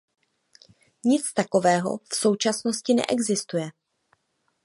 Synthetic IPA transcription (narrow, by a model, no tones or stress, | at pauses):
ɲɪt͡st̪ako̞vɛːɦo̞̰fso̞wt͡ʃasno̞scɪnɛ̰ʔɛɡzɪst̪ujɛ